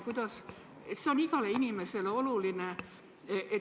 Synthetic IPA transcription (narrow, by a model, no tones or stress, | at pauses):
kujd̪̥ɑs | et̪seo̞niɡ̥ɑleinʲimeseleoluline | ʔe